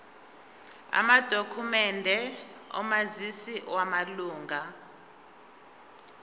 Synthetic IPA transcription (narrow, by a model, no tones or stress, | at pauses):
a̰mad̥ʱokʰumɛndʱɛɔ̰mazisiwamaluːŋɡʱa